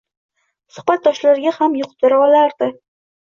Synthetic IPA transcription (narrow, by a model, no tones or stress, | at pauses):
sʊ̥χbat̪̚d̪ːɒʃlaɾɡʲahamjʊqt̪ɨɾɒlaɾd̪̥ɪ